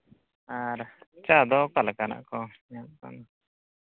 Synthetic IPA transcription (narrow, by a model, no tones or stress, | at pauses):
aɾt͡ʃad̪ɔkalkana̰ʔkɔ | anka̰na